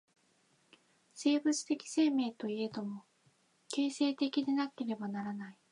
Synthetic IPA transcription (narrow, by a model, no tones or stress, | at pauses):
se̞ːbɯt͡sɨ̥t̪e̞kʲi̥se̞ːme̞ːt̪o̞ie̞d̪o̞mo | ke̞ːse̞ːt̪e̞kʲid̪e̞nake̞ɾe̞banaɾanai